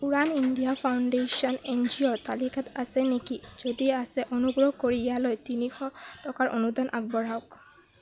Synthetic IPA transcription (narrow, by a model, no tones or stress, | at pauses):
uɹaniɳɖijapʰawɳɖesɔnend͡ʒiɔɹt̪alikʰat̪asɛnekizod̪iasɛʔonuɡɹɔɦkoɹialojt̪inixɔʈɔkaɹʔo̰nud̪anʔa̰k̚bɔɹaok